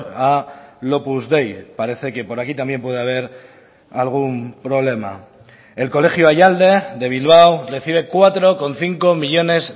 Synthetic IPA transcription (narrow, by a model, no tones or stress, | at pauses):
alo̞puzðe̞jpaɾe̞θe̞ke̞po̞ɾakit̪ambje̞mpwe̞ðeaβ̞e̞ɾ | alɣ̞umpɾo̞βle̞ma̰ | e̞lko̞le̞xjoajald̪e̞ðe̞β̞ilβ̞awre̞θiβ̞e̞kwat̪ɾo̞ko̞nθiŋko̞miʎo̞ne̞s